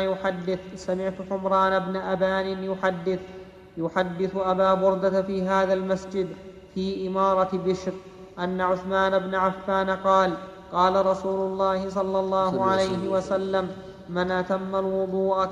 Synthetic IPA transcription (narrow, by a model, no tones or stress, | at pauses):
jʊħad̪ːɪθsamɪʕt̪ʊħʊmɾˤɑːnabnaʔabaːnɪnjʊħad̪ːɪθ | jʊħad̪ːɪθʔabaːbʊɾd̪afiːɦaːðalmasd͡ʒɪd̪ | fiːʔɪmɑːɾˤɑbɪʃɾ | ʔanːaʕʊθmaːnabnaʕafːaːnqɑːl | qɑːlaɾˤɑsuːlʊlˤːɑːhɪs̬ˤɑlːɑlˤːɑːhʊʕalajɦɪwasalːamː | ɪnʔat̪amːalwʊd̪ˤuːʔ